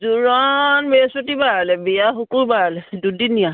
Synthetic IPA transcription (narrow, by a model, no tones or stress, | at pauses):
zuɹɔnbesotibaalɛbijaxukuɹbaalɛdudinija